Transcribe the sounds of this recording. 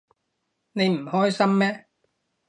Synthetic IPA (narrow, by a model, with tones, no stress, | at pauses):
ne˨˧jm̩˨˩hɔː˥jsɐ˥mːɛː˥